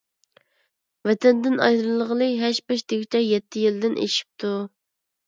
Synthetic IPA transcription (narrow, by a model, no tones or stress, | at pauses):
vɛt̪ʰɛnd̪ɪnɑ̰jd̪lˠəʁəlˠɨɦɛʃbɛʃd̪eɡʲit͡ʃʲʰɛjɛt̪ʰːɪjild̪ɪnʔḛʃi̥p̚t̪ʰu